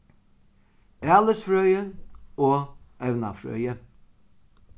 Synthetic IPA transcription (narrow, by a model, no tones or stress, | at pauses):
æːləsfɾœʏəoːʔɛʋnɑfɾœ̰ʏə